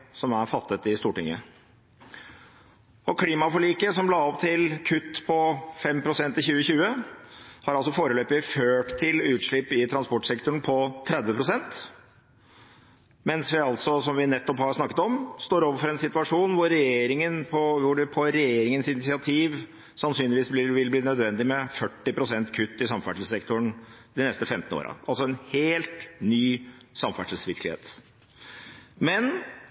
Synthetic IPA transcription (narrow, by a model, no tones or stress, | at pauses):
sɔmæɾfɑt̪ːət̪ɪst̪uːʈɪ̰ŋːə̰ | ɔkʰliːmɑfɔɭiːkəsɔmlɑːɔpt̪ʰɪlkʰʉt̪ːpʰɔfɛmpʰɾʊsɛnt̪ɪlçʉːəçʉːə | hɑɾɑlsɔfoːɾəløːpɪføːʈt̪ʰɪlʉːt̪ʂɭɪpːɪt̪ʰɾɑnspɔʈsɛkt̪ʊɳpʰɔt̪ʰɾɛd̪ʋəpʰɾʊsɛnt̪ | mɛnsʋɪɑlt̪sɔsɔmʋɪnɛt̪ːɔphɑɾsnɑkːət̪ɔmst̪oːɾoːʋəɾfɔɾɛnsɪt̪ʉɑʂuːnʋʊːɛjeːɾɪŋənpʰɔʋʊɖpʰɔɾɛjeːɾɪŋənsɪnɪsɪɑt̪ʰiːʋ | sɑnsyːnlɪʋiːsblɪʋɪlbliːnœd̪ʋɛnd̪ɪmɛfœʈːɪpʰɾʊsɛnt̪kʰʉt̪ːɪsɑmfæʈl̩ssɛkt̪ʊɳd̪ɪnɛst̪əfɛmt̪ən̩o̰ːɾɑ̰ʔɑlsɔɛnheːlt̪nyːsɑmfæʈəl̩sʋɪɾkəlɪḛːt̪ | mɛn